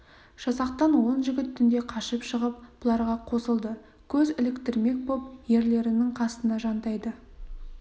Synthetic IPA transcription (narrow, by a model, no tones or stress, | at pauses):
ʒ̥ɑsɑqt̪ɑnwo̞nʒɪɡʲɪt̪ʰːʏnd̪e̞qʰɑʃəpʃəʁəp̚b̥ʊlˠɑɾʁɑqʰo̞səlˠd̪ə | kʲʰɵzɪlɪkt̪ɪɾme̞k̚bo̞p̚je̞ɾle̞ɾɪnɪŋqʰɑst̪ənɑʒɑnt̪ɑjd̪ə